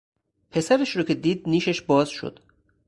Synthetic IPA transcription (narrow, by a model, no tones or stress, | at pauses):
pʰe̞sæɾeʃɾoːcʲʰed̪iːd̪̚niːʃeʃbɒːzʃo̰d̪̥